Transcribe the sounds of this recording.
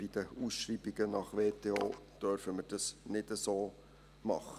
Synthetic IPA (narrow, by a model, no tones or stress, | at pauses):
b̥id̥əusʃriːbiɡ̥ənɑχʋeːteoːd̪̥øɾfəmərd̥ɑsnɪdəsoː | mɑ̰χə